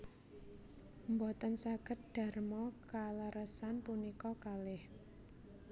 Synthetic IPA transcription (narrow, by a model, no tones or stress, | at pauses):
mbɔt̪ənsakət̪̚d̪̥a̤rmɔkaləɾəsanpunikɔkalɪh